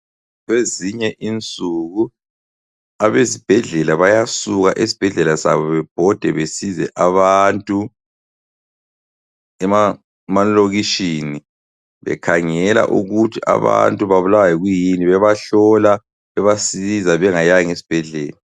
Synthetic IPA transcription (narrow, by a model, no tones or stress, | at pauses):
ɣweziɲɛʔint͡sʼuɣu | aβesib̥ʱɛɮɛlaβajasuɣaʔesi̥b̥ʱɛɮɛlasa̰βɔβɛb̥ʱɔd̥ʱɛβesizɛʔaβantʼu | ɛma | manloɣiʃini | βɛ̰kʰaŋɛla̰ʔṵɣutʰia̰βa̰ntʼuβaβulawajɛɣujiniβɛβaɬɔla | βɛβasizaβɛŋajaŋesi̥b̥ʱɛɮɛ̰ːla